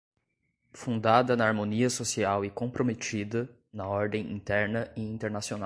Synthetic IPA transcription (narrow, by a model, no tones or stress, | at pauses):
fũnd̪ad̪ɐnɐaɾmõniɐsosiawɪkõpɾomet͡ʃid̪ɐ | nɐɔɾd̪ẽj̃ḭ̃t̪ɛɾnɐɪĩnt̪eɾnasionaw